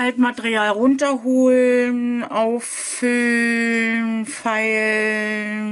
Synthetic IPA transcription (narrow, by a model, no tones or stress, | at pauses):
altmatəʁiaːlʁʊntɐɦoːlnʔaʊf | ʏl | nfaɪl